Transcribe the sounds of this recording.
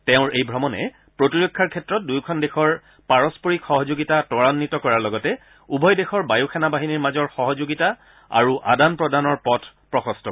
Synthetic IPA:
tɛʊ̃ɹejbʱɹɔmɔnɛ̰ | pɹotiɹɔkʰːaɹkʰɛtɹɔt̚dujkʰɔndexɔɹ | paɹɔspoɹikxɔɦɔzoɡitatɔɹanːitɔkɔɹaɹlɔɡɔtɛ | ubʱɔjdexɔɹbajuxʰɛnabaɦiniɹmazɔɹxɔɦɔzoɡita | a̰ɹuʔa̰danpɹɔdanɔɹpɔtʰ | pɹɔxɔstʰɔ

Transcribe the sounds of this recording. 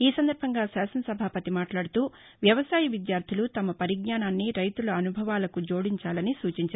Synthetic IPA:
iːsɐnd̪ɐɾbʱɐŋɡaːsaːsɐnɐsɐbʱaːpɐt̪imaːʈlaːɽut̪uː | ʋjɐʋɐsaːjɐʋid̪jaːɾd̪ʱilut̪ɐmɐpɐɾiɡɲaːnaːnːiɾɐjt̪ulɐːnubʱɐʋaːlɐkud͡ʒo̞ːɽiɲt͡ʃaːlɐnisuːt͡ʃiɲt͡ʃaɾ

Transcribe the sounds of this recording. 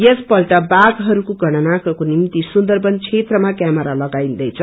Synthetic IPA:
jʌspʌlʈʌbaɡɦʌɾukoɡʱʌɽ̃ʌnakʌkonimt̪isund̪ʌrbʌnt͡sʰet̪rʌmakjamʌɾalʌɡaĩnd̪ʌjt͡sʰʌ

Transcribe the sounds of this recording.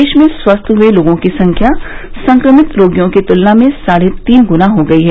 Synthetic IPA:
eːʃmẽswɐst̪ʰɦueloːɡõkisɐ̃ŋkʰjasɐ̃ŋkɾəmɪt̪ɾoːɡjõket̪ʊlnamẽsaːɽet̪iːnɡʊnaɦoɡɐiɦɛː

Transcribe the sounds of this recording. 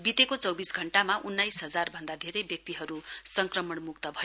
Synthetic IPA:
bit̪ekot͡sʌwbisɡʱʌɳʈamaʔunːajsɦʌd͡zarbʱʌnd̪ad̪ʱeɾejbjʌk̚t̪iɦʌɾusʌŋkrʌmʌɳmuk̚t̪ʌbʱʌ

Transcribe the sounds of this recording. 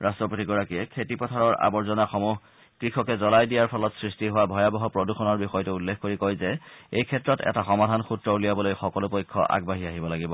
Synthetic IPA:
ɹastɹɔpotiɡɔɹakiɛkʰetipɔtʰaɹɔɹʔa̰bɔɹzɔnaxɔmuɦ | kɹikʰɔkɛzɔlajdijaɹpʰɔlɔtsɹistiɦʊwabʱɔjabɔɦɔpɹɔduxʰɔnɔɹbixɔjtʊulːekkoɹikojzɛejkʰɛtɹɔtɛ̰taxɔmadʱanxutɹɔulijabɔlojxɔkɔlʊpojkʰːɔ̰ʔa̰ɡ̚baɦiaɦibɔlaɡibɔ

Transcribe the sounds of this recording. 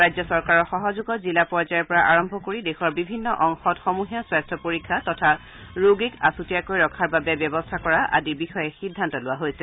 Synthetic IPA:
ajzɔsɔɹkaɹɔxɔɦɔzuɡɔtzilapɔɹzajɔɹpɔɹaʔaɹɔmbʱɔkoɹidexɔɹbibʱinːɔʔɔŋxɔtxɔmuɦijaswajstʰɔpoɹikʰːatɔtʰa | ɹoɡikasutijakojɹɔkʰaɹbabɛbjɔbɔstʰakɔɹaʔa̰dibixɔjɛxidʱːantɔlʊwaɦojsɛ

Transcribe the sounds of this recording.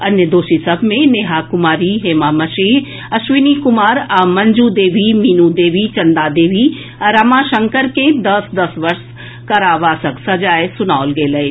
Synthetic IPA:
ɐnjəd̪oːʃisɐbʱmẽneːɦaːkʊmaːɾiɦeːmaːmɐʃeɦ | ɐʃʋɪnikʊmaːɾɐmɐ̃ɲd͡ʒuːd̪eːʋimiːnud̪eːʋit͡ʃɐ̃nd̪aːd̪eːʋi | ɐɾɐmaːʃɐ̃ŋkəɾkẽd̪ɐsd̪ɐsʋɐɾʃ | kɐɾaːʋaːsəksɐd͡ʒaːesʊnaːlɡeːlɐe

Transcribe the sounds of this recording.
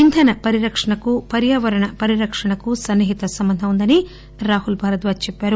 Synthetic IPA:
int̪ʰɐnɐpɐɾiɾɐkʂɐɳɐkupɐɾjaːʋɐɾɐɳɐpɐɾiɾɐkʂɐɳɐkusɐnːiɦit̪ɐsɐmbɐnd̪ʱɐund̪ɐni | ɾaːɦulbʱaːɾɐt̪ʋaːt͡ʃɛpːaːɾu

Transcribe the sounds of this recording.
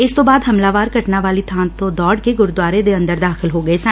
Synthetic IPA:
ɪst̪õbaːd̪ɦɐmlaːʋaːɾkɐʈnaʋaːlit̪ʰãːnt̪õd̪ɔːɽkeɡʊɾd̪waːɾed̪eɐ̃nd̪əɾd̪aːxɪlɦoːɡəesa

